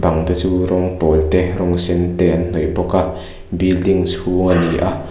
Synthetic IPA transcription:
bɐŋt̪ɐt͡suɾɔŋpɔlt̪ɛɾɔŋsɛnt̪ɛnn̥ɔjpɔka | bildiŋshuŋaniʔa

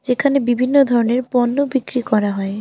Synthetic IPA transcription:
d͡ʑekʰanebibʱinːod̪ʱɔɾoneɾpɔnːobikɾikɔɾaɦɔe

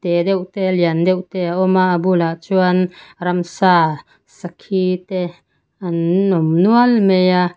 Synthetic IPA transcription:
t̪ed̪ɛwt̪eliand̪ɛwt̪eaɔmaʔabulaʔt͡suanɾamsa | sakʰit̪e | anɔmnualmeja

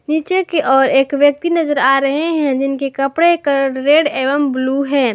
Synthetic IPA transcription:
niːt͡ʃekeʔɔːɾeːkʋjək̚t̪inɐzəɾaːɾɐɦeɦɛ̃d͡ʒɪnkekəpɽekəɾeːɖeːʋəmbluɦɛ̃ː

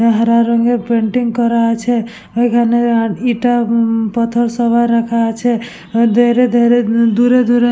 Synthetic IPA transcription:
ɦəɾaɾəŋɡepeɳʈiŋɡkəɾat͡ʃʰɛ | oikʰaneiʈapət̪ʰəɾsəbaɾakʰat͡ʃʰɛ | d̪ʱeɾed̪ʱeɾed̪uɾed̪uɾe

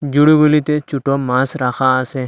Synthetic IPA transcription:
d͡ʒʊɽibolit̪et͡ʃuʈomãːsɾaːxʰasẽ

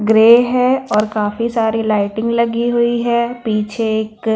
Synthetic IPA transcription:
ɡɾeːɦɛɔːɾkaːfisaːɾilaːɪʈɪ̃ŋɡlɐɡiɦʊiɦɛːpiːt͡ʃʰeeːk

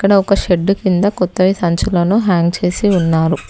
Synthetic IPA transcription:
ɐkːɐɽɐɔkɐʃeɖːukind̪ɐkɔt̪ːɐʋisɐɲt͡ʃulɐnuɦaːŋɡt͡ʃe̞ːsiunːaːɾu

